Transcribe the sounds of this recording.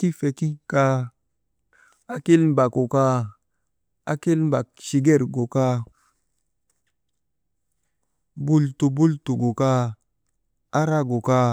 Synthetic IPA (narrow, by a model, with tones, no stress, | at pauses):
ki˦fe˨ki˦ka˦ | a˦ki˦lm˦ba˨ko˨ka˦ | a˦ki˦lm˦ba˨k̚ʃi˨ɡe˦˨ɾɡo˨ka˦ | bu˦ltu˨bu˦ltu˨ɡo˨ka˦ | a˦ɾa˦ɡo˨ka˦